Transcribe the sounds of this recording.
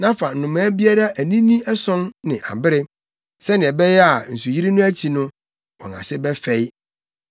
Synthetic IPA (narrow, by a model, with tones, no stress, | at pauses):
nã˦fa˨n̩˨nʊ̃˨mæ̃ː˨˦bi˦a˦ɾa˦ʔæ˨nĩ˦nĩ˦ɛ˦sɔ̃˦nːɪ̃˨ʔa̰˨bɪ˦ɾɪ˦ | sɛ˦nɪ̃˨ɛ˨bɛ˦jɛ˦a˨n̩˨su˨ji˦ɾi˦nʊ̃˦æ˦t͡ɕʰi˨nʊ̃˦ | wɔ̰̃˨na̰˨sɪ˦bɛ˦fɛ˦j